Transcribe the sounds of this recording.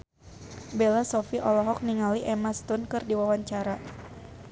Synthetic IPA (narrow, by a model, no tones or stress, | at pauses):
belasɔfiʔɔlɔɦɔk̚niŋaliʔɛmast̪unkɨrdiwawaɲt͡ʃaɾa